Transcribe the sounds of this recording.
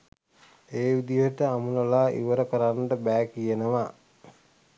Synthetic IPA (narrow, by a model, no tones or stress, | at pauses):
eːʋid̪ijoʈəamuləlaːʔḭʋəɾəkəɾanʈəbæːkijenəʋa